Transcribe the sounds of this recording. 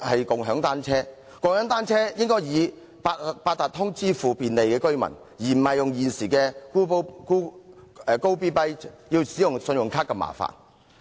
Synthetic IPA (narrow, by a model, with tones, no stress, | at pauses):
hɐ˨jkʊ˨ŋɦœː˨˥ŋt̪aː˥nt͡sʰɛː˥ | kʊ˨ŋhœː˨˥ŋt̪aː˥nt͡sʰɛː˥jɪ˥ŋkɔː˥jjiː˨˧ | pa˧paː˧t̪̚aː˨t̚t̪ʰʊ˥ŋt͡siː˥fuː˨piː˨nle˨jkɛː˧kɵ˥ɥmɐ̰˨˩n | jiː˨˩m̩˨˩hɐ˨jʊ˨ŋjiː˨˩nsiː˨˩kɛː˧ku˥pwku˥˨˧ | ko˥wpiː˥pɐ˥jji˧wsiː˨˥jʊ˨ŋsɵ˧njʊ˨ŋkʰaː˥kːɛ˧ma̰ː˨˩fa̰ː˨n